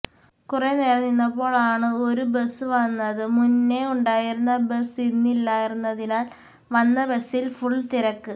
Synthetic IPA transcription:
kurene̞ːɾɐnːinːɐpːo̞ːɭaːɳɨo̞ɾubesɨʋɐnːɐðɨmunːeuɳɖaːjiɾunːɐbesinːilːaːjiɾunːɐðinaːl | ʋɐnːɐbesːilfuɭːt̪iɾɐkːɨ

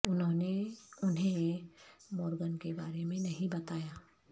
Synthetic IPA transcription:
ʊnɦõːneʊnɦẽ | mɔːɾɡənkebaːɾemẽnɐɦĩbɐt̪aːjaː

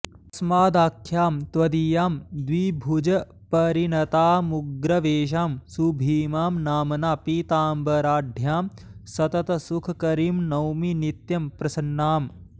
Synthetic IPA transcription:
ɐsmaːd̪aːkʰːjaːmt̪ʋɐd̪ijaːmd̪ʋibʱud͡ʒɐ | pɐɾinɐt̪aːmuɡɾɐʋeːʃ̬aːmsubʱiːmaːmnaːmɐnaːpiːt̪aːmbɐɾaːɖʱjaːm | sɐt̪ɐt̪ɐsukʰɐkɐɾiːmnɐwminit̪jɐmpɾɐsɐnːaːm

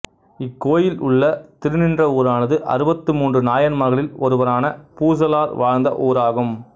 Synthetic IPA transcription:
ɪkːoːjɪlʊɭːɐt̪ɪɾɯnɪndrɐoːɾaːnɐðɯʔɐ̰ɾɯbɐt̪ːɯmuːndrɯnaːjɐnmɐɣɐɭɪlɔɾɯʋɐɾaːnɐpuːs̬ɐlaːɾʋaːɻnd̪ɐ̰ʔoːɾaːɣɯm

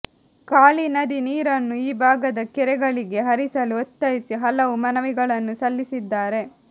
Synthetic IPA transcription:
kaːɭinɐd̪iniːɾɐnːuiːbʱaːɡɐd̪ɐkɛɾɛɡɐɭiɡe̞ɦɐɾisɐluot̪ːɐjisiɦɐlɐʋumɐnɐʋiɡɐɭɐnːusɐlːisid̪ːaːɾe̞

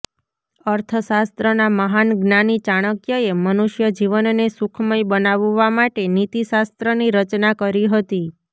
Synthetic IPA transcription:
əɾt̪ʰəsast̪ɾənaməɦanɡnanit͡ʃaɽ̃əkjəemənuʃjəd͡ʒiʋənnesukʰməjbənaʋːamaʈenit̪iʃast̪ɾəniɾət͡ʃnakəɾiɦət̪i

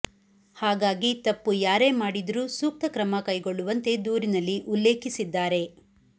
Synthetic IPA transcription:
haːɡaːɡit̪ɐpːujaːɾe̞maːɽid̪ɐɾuːsuːk̚t̪ɐkɾɐmɐkɐjɡo̞ɭːuʋɐnt̪e̞d̪uːɾinɐlːiʔulːe̞ːkisid̪ːaːɾe̞

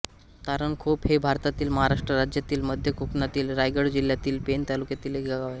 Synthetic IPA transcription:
t̪aɾəɳkʰuːphebʱaɾt̪at̪iːlməɦaɾaʂʈɾəɾad͡ʑjat̪iːlməd̪ʱjəkʰuknat̪iːlɾajɡəɽd͡ʑil̤jat̪iːlpent̪alukjat̪iːleɡʱaɡaʋae

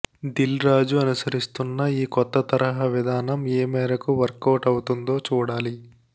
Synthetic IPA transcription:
d̪ilɾaːd͡ʒuɐnusɐɾist̪unːɐiːkɔt̪ːɐt̪ɐɾɐɦɐʋid̪ʱaːnɐmeːmɛːɾɐkuʋɐɾkːɐːʈɐwut̪und̪o̞ːt͡ʃuːɽaːli

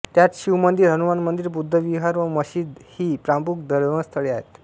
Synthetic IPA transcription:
t̪jat͡sɕiwməd̪ʱjeɾɦənuʋanmənd̪iɾbud̪ʱːəʋiɦaɾʋəməɕiːd̪hiːpɾampuk̚d̪əɾʋəst̪ʰəɭeaɦet̪

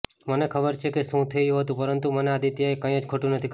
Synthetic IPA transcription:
mənekʰəbəɾt͡ʃʰekeʃũt̪ʰəjũɦət̪ũpəɾənt̪umənead̪it̪jaekəĩəd͡ʒkʰoʈũnət̪ʰik

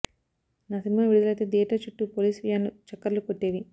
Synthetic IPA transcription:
nasinimaːʋiɽud̪ulɐjt̪ed̪iːʈɐt͡ʃuʈːupoliːsʋijaːnlut͡ʃɐkːɐɾlukoʈːeːʋi

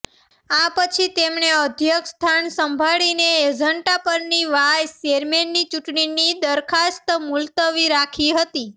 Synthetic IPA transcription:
apət͡ʃʰit̪emɳeəd̪ʱjəkst̪ʰansəmbʱaɭineːd͡ʒəɳʈapəɾniʋajt͡ʃeɾmenːit͡ʃuʈɳinid̪əɾkʰast̪mult̪əʋiɾakʰiɦət̪i

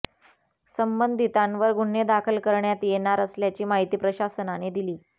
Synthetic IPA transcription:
səmbənd̪ʱit̪ãnʋəɾɡʱuɳjed̪akʰəlkəɾɳjat̪jenaɾəsljat͡ɕiːmaɦit̪iːpɾəɕasənaned̪iliː

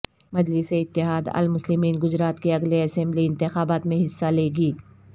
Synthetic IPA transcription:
mɐd͡ʒlɪseɪt̪ːɪɦaːd̪ɐ̰lmʊslɪmiːnɡʊzɾaːt̪keɐɡleɐsɛ̃mbliɪ̃nt̪ɪxaːbaːt̪mẽɦɪsːaleːɡiː

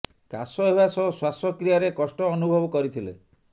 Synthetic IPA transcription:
kasɔebasɔswasɔkɾijaɾekɔsʈɔːnubʱɔbɔkɔɾit̪ʰilḛ

